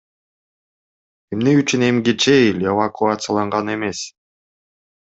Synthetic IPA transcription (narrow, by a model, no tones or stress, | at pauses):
emneyt͡ʃyne̞mɡet͡ʃeilʲevakʊat̪sɨjalˠɑɴʁɑne̞me̞s